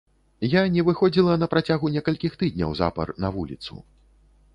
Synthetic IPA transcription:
janʲɛvɨxɔd͡zʲilˠɐnɐpɾat͡sʲaɣunʲɛkɐlʲkʲixt̪ɨd̪ʲnʲɐ̰wza̰pɐ̰rnɐvulʲḭt̪sṵ

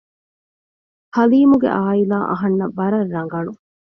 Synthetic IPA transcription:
hɐliːmuɡḛʔaːilaːʔɐ̰ɦɐnːɐbɐɾɐrːɐŋɡɐnu

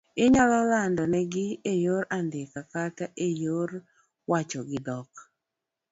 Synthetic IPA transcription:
ɪɲɔlɔlandɔnɛɡɪejoɾandɪkakataʔejoɾ | wat͡ʃɔɡɪdɔk

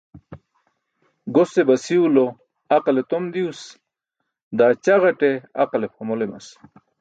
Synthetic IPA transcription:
ɡosebɐsiulo | aqalet̪omd̪ius | d̪aːt͡ɕaʁɐʈea̰qalepɐmolema̰s

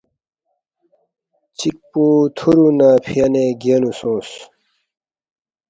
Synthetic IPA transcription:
t͡ɕik̚put̪ʰuɾunaːpʰijɐneɡenusõːs

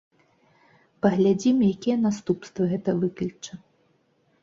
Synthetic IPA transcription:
pɐɣlʲad͡zʲimjakʲɛjɐnast̪upst̪vɐɣɛt̪ɐvɨklʲit͡ʂɐ

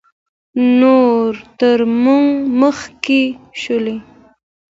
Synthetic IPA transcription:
noɾt̪əɾmuŋməxkeʃəle

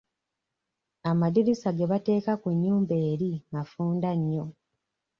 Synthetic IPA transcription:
amadiɾisaɡe̞βate̞ːkakuɲːuːmbe̞ːɾimafuːndaɲːo̞

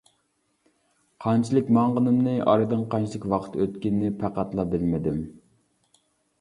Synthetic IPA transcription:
qʰɑnt͡ʃʰilˠɪkʲmɑɴʁənɨmnɨʔɑ̰ɾɨd̪ɨŋqʰɑnt͡ʃʰilˠɪkʲwɑqʰə̥t̪øt̪kʲinːɪpʰæqæt̪lˠɑbɪlmɪd̪ɪm

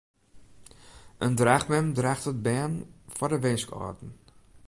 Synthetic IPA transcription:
ʔəndraːxmɛmdraːxtət̚bɛːnfɔrdəʋɪnskɔ̰rdn̩

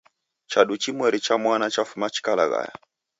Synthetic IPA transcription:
t͡ʃaɗut͡ʃimwɛɾit͡ʃamwanat͡ʃafumat͡ʃi̥kala̰ɣa̰ja̰

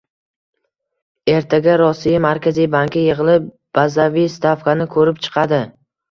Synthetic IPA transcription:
e̞ɾt̪ʰaɡʲaɾɒsijamaɾkʲazijbaŋkʲɪjeʁɨlɪp | b̥azavijst̪ʰafkanɪkʰɵɾɪp̚t͡ʃʰɨ̥qʰɑd̪ɪ

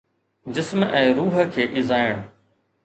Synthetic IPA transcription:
d͡ʑɪsmɛ̃ːɾuːɦə̆kʰeːʔɪzaːjəɽ̃

